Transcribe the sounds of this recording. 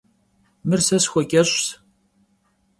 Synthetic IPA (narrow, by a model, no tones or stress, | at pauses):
mɨrsɐsxʷɔkʲʼɐɕʷs